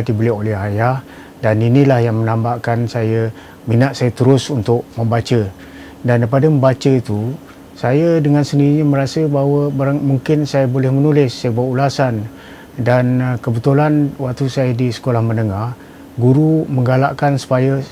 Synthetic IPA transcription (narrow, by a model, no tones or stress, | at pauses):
dibəlɛɦolɛɦajah | daninĩlahjaŋmənãmbaʔkansajə | minaʔsajət̪əɾʊsunt̪ʊk̚məmbat͡ʃə | dandapadəməmbat͡ʃət̪u | sajədəŋansəniɾiɲaməɾasəbaɦwəbaɾaŋmuŋkɪnsajabolɛhmənulɪsːajəbaʔulasan | dankəbət̪ulanwak̚t̪usajadisə̥kolahmənəŋah | ɡuɾuməŋɡalaʔkansu̥pajə